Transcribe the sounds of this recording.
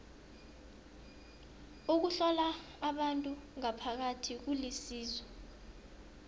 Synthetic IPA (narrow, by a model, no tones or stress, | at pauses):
uk̬uɬɔlaː | ɓantʼuŋapʰak̬atʰik̬ulisiːzwɛ